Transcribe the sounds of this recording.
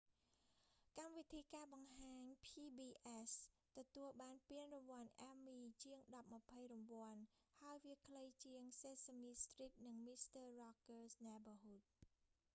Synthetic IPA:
kamʋit̪ʰiːkaːɓɑŋɦaːɲpʰiːɓiːʔɛs | t̪ɔt̪uəlɓaːnpiənrɔʋŏənʔaːmiːt͡ɕiəŋɗɑp̚mə̆pʰəjrampŏənhaəjʋiəkʰləjt͡ɕiəŋseːsəmiːst̪riːt̪̚nɨŋmist̪əːrɑkərsnɛbəɦuːt̪̚

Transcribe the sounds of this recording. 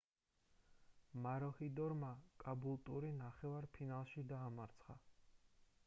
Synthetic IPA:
maɾɔhid̪ɔɾmakʼabulˠt̪ʼuɾinaχɛvaɾpʰinalˠʃid̪aːmaɾt̪sʰχa̰

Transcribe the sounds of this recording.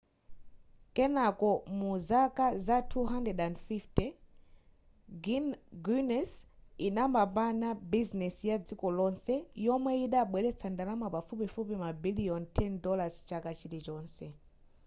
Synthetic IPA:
kɛnakɔmuzakazatʰuɦandɛdandfiftɛ | ɡɡunɛsinamapanabiznɛsjad͡zikɔlɔnsɛjɔmwɛiɗaɓwɛlɛt͡sʰandalamapafupifupimabiliɔntʰɛndɔlazt͡ʃakat͡ʃʰiɾit͡ʃɔːnsɛ

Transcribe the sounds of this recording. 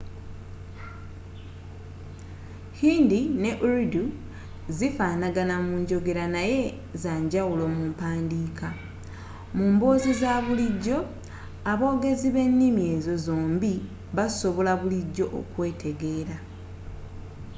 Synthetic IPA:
hiːndine̞ʔuɾidu | zifaːnaɡanamuɲɟo̞ɡe̞ɾanaje̞ | zaːɲɟawulo̞muːmpaːndiːka | muːmboːzizaβuliɟːo̞ | aβo̞ːɡe̞ziβe̞nːimje̞ːzo̞zo̞ːmbi | βaso̞βo̞laβuliɟːo̞ʔo̰kwe̞ːtʰe̞ɡe̞ːɾa

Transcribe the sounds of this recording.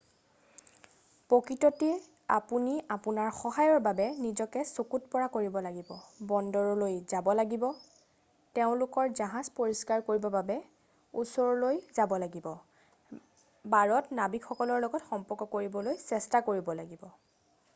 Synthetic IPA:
pokɹitɔtɛ | a̰puniapunaɹxɔɦajɔɹbabɛnizɔkɛsokutpɔɹakoɹibɔlaɡibɔbɔndɔɹɔlojzabɔlaɡibɔ | teʊ̃lʊkɔɹzaɦãzpoɹiskaɹkoɹibɔbabɛ | usɔɹɔlojzabɔlaɡibɔ | baɹɔtnabikʰɔkɔlɔɹlɔɡɔtxɔmpɔɹkɔkoɹibɔlojsɛstakoɹibɔlaɡibɔ

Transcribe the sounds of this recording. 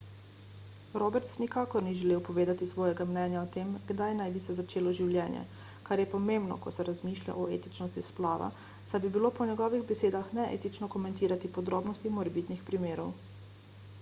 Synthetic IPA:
ɾobɛɾt̪snikaːkɔɾniʒɛleːwpɔʋeːd̪at̪isʋɔːjɛɡamnɛːnjaɔt̪emɡd̪ajnajbisɛzat͡ʃeːlɔʒiwljɛːnjɛ̰ | kaɾjɛpɔmembnɔ̰kɔsɛɾazmiːʃlʲja̰ʔɔḛːt̪it͡ʃnɔst̪isplaːʋa̰ | sajbibilopɔnjɛɡɔːʋiɣbɛseːd̪axnɛʔḛːt̪it͡ʃnɔkɔmɛ̃nt̪iːɾat̪ipɔd̪ɾoːbnɔst̪imɔɾɛbit̪nixpɾimeːɾɔw

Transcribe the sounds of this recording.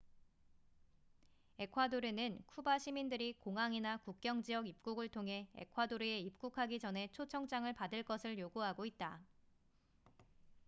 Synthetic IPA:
e̞kʰwadoɾenɯnkʰubaɕʰimindɯɾikoŋɦaŋinakuk̚k͈jʌŋd͡ʑiʌɡip̚k͈uɡɯɭtʰoŋɦe̞ḛkʰwadoɾeeip̚k͈ukʰaɡid͡ʑʌnɦe̞t͡ɕʰot͡ɕʰʌŋt͡ɕ͈aŋɯɭpadɯɭk͈ʌsʰɯɭjoɡuɦaɡoit̚t͈a

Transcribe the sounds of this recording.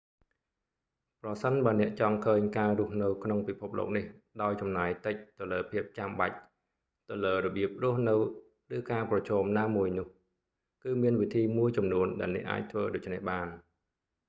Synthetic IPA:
prɑsənɓaənɛ̆əʔt͡ɕɑŋkʰəːɲkaːrʊ̆əhnɨwkʰnoŋpipʰup̚lo̰ːk̚nihɗaɔjt͡ɕɑmnaːjt̪ɨc̚t̪ɨwləːpʰiəp̚t͡ɕamɓa̰c̚ | t̪ɨləːrɔɓiəp̚rʊ̆əhnɨw | rɨːkaːprɑt͡ɕʰɔːmnaːmuəjnʊ̆əh | kɨːmiənʋit̪ʰiːmuəjt͡ɕɑmnuənɗa̰ɛlnɛ̰əʔa̰ːc̚t̪ʰʋəːɗoːc̚t͡ɕʰnɛhɓaːn

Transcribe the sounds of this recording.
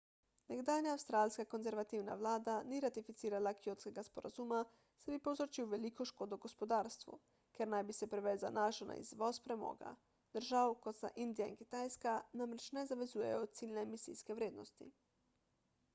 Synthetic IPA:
nɛɡd̪aːlnjaːwst̪ɾaːlʲskakonzɛɾʋat̪iwna̰ʋlaːd̪aniɾat̪ifit̪siːɾalakijot̪skeɡaspoɾazuːma | sabipozɾot͡ʃiuʋelikoʃkoːd̪oɡospod̪aːɾst̪ʋṵ | kɛɾnajbisɛpɾeʋeːzanaʃona̰ḭzʋospɾɛmo̰ːɡa̰ | d̪̥əɾʒawkot̪sa̰ʔind̪ijainki̥t̪aːjskanamɾet͡ʃnɛzaʋezuːjḛjoot̪siːlʲnemisḭːskeʋɾʲeːd̪nost̪ḭ

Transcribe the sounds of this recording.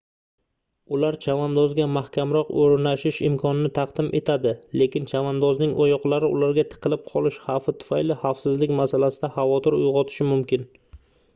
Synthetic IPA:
ʊlaɾt͡ʃʰavand̪ɒzɡʲamahkʲamɾɒqoɾnaʃɪʃɪ̰mkʰɒnɪnɪt̪ʰɑqd̪̥ɪmʔe̞t̪ʰad̪ɪle̞kʲɪnt͡ʃʰavand̪ɒznɪŋʔojɒqlˠaɾɪʔʊ̰laɾɡʲat̪ʰɨ̥qʰɨlˠɪp̚qʰɒlˠɪʃhɑfɪt̪ʰʊ̥fajlɪhafsɪzlɪkʲmasalasɪd̪ahavɒt̪ʰɪɾʊ̰jʁɒt̪ʰɪ̥ʃɪmʊmkʲɪn

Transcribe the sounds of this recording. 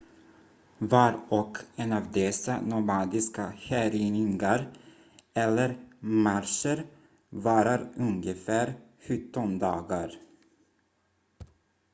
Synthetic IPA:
vaɾɔkʰɛnɑːvd̪ɛsa̰nɔmɑːd̪ɪskahæːɾɪnɪŋɡaɾ | ɛlːəɾmaɾʂəɾ | vɑːɾaɾɵŋɡəfæːɾɧɵt̪ːɔnd̪ɑːɡaɾ

